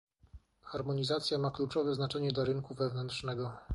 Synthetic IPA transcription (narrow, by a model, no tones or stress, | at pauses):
xaɾmɔɲizat̪sʲjamaklut͡ʂɔvɛznat͡ʂɛɲɛd̪laɾɘŋkuvɛvnɛnt̪ʂnɛɡɔ